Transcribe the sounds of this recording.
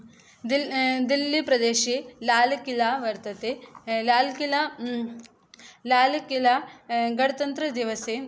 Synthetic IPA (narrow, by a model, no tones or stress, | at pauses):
d̪id̪ilːipɾɐd̪eːʃilaːlukilaːʋɐɾt̪ɐt̪elaːlkila | laːlukilaɡɐɽɐt̪ɐnt̪ɾɐd̪iʋɐse